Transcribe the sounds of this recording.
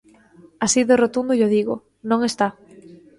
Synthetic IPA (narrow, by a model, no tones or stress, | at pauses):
asiðerot̪und̪ʊʎoðiɣoʊ̰ | nõŋest̪a